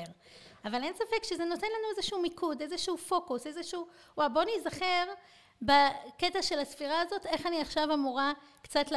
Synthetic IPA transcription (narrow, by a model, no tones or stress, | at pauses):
ʁ | avale̞nsafekʃeze̞no̞te̞nlanuezeʃuumikʰude̞zeʃuufo̞kuse̞zeʃuu | wawbo̞anizaχe̞ʁ | baketaʃe̞lasfiʁaːzo̞te̞χaniaχʃavamuʁa | kt͡satl